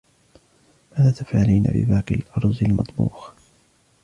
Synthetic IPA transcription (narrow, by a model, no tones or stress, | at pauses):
maːðaːt̪afʕaliːna̰bɪ̰baːqɪlʔɑɾˤzˤɪlmɑt̪ˤbṵːx